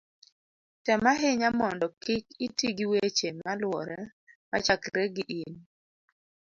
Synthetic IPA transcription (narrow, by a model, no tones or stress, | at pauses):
tɛmaɦɪɲamɔndɔkɪkitiɡiwet͡ʃemalwɔ̰ɾɛ | ma̰t͡ʃakɾeɡɪʔin